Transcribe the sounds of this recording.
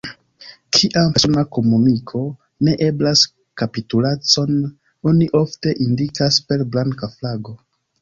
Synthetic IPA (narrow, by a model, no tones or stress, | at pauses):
kʰiʔaesonako̞munikʰo̞ | ne̞ʔe̞blas | kapitulat͡so̞n | o̞niʔo̞fte̞ʔindikaspe̞ɾblaŋkaflaɡo̞